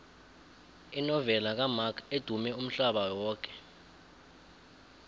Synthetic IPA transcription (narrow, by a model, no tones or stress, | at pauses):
inɔvɛlak̬amakʰed̥ʱumɛum̩ɬaɓawɔːk̬ʼɛ̥